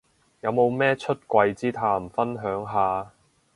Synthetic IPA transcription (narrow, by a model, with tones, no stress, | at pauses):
jɐ˨˧wmo˨˧wmɛː˥t͡ʃʰɵ˥t̚kʷɐ˧jt͡siː˥t̪ʰaː˥˩m̩˨fɐ˥nɦœː˨˥ŋɦaː˨